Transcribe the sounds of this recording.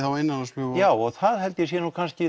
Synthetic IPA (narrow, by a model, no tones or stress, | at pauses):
θawenːanaspʏːɣjaːwɔɣθaðhɛlt̪jɛs̬jɛnuːkʰanscɪ